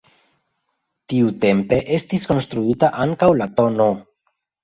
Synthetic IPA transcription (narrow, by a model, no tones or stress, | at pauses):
tiute̞mpe̞ʔe̞stisko̞nst̪ɾuitaʔaŋkawlato̞no̞